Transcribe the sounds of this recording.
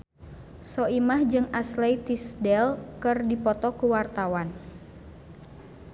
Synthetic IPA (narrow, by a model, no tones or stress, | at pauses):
sɔimahd͡ʒɨŋaslejt̪isdɛlkɨrdipɔt̪ɔkuwart̪awan